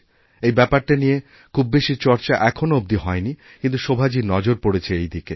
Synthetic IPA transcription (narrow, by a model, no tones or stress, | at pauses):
ejbɛpaɾʈanije | kʰubːeʃit͡ɕɔɾt͡ɕaʔɛkʰonoob̚d̪iɦɔeni | kint̪uʃobʱad͡ʑinɔd͡ʑoɾpoɽet͡ɕʰeejd̪ike